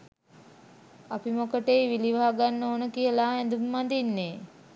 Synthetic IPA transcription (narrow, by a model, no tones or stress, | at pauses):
apimokəʈejʋiliʋaɦaɡanːoːnəkijəlaːɛnd̪umːand̪inːeː